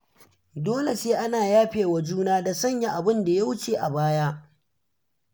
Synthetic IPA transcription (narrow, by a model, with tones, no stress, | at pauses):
doː˦le˨seː˦ʔa˦naː˨jaː˦ɸeː˨wa˨d͡ʒuː˦naː˦da˨sɐ˦ɲja˨ʔa˨bɪ˦nda˨ja˦wʊ˦t͡ʃeː˨ʔa˨baː˦jaː˦